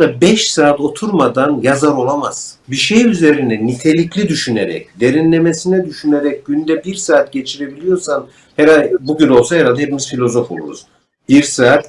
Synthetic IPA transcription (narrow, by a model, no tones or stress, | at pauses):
abɛʃsaːt̪o̞t̪ʰuɾmad̪anjazaɾo̞lˠamaz̥biʃejyze̞ɾind̪ɛnit̪ʰe̞lʲiclʲid̪yʃynḛɾɛ̰cd̪e̞ɾinlʲe̞me̞sinɛd̪yʃyneɾɛc̚ɟynd̪ɛbiɾsaːt̪̚ɟe̞t͡ʃʰiɾe̞bilʲijo̞ɾsan | hɛɾabuɟyno̞lˠsaɦɛɾalʲˠd̪aepimizfilʲo̞zo̞fo̞̰lˠṵɾṵz̥ | biɾsaːt̪